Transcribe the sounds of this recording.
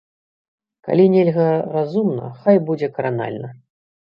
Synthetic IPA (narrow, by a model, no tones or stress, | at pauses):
ka̰lʲinʲɛlʲɣɐrazumnɐ̰xajbud͡zʲɛkɐɾana̰lʲnɐ